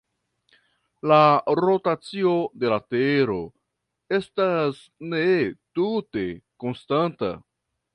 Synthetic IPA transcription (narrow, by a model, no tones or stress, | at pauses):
laɾo̞tat͡sio̞de̞lateɾo̞ | e̞stas | ne̞tute̞ko̞nstanta̰